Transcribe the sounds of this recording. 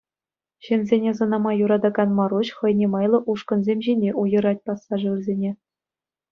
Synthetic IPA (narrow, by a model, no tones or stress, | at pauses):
ɕɘ̆nʲzʲenʲezɤ̆nɑmɑjuɾɑd̪ɑɡɑnmɑɾuɕχɤ̆jnʲemɑjlˠɤ̆ʔuʂkɤ̆nzʲemʲʑinʲeʔujɤ̆ɾɑt̚ʲpɑsːɑʐɤ̆ʋɘ̆rzʲenʲe